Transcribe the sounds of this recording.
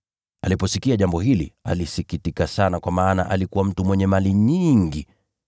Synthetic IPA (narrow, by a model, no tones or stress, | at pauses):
alipɔsikiaʄambɔhilḭa̰lisikitikasanakwamaːna̰ʔalikuwam̩tumwɛɲɛmaliɲiŋɡi